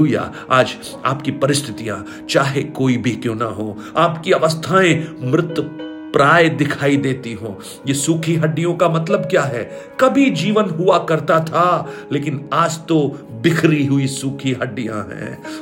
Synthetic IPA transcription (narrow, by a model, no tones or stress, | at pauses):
ʊja̰ | aːd͡ʒ | a̰ːpkipɐɾɪst̪ʰɪt̪ijã̰ | t͡ʃaːɦekoːibʱikjõːnɐɦoː | aːpkiɐʋəst̪ʰaẽmɾɪt̪wə | pɾaːjd̪ɪkʰaːid̪eːt̪iɦõ̰ː | jesuːkʰiɦɐɖːijõkamɐt̪ləbkjaːɦɛː | kɐbʱid͡ʒiːʋənɦʊakɐɾt̪at̪ʰaleːkɪnaːd͡ʒt̪obɪkʰɾiɦʊisuːkʰiɦɐɖːijã̰ɦɛ̰̃ː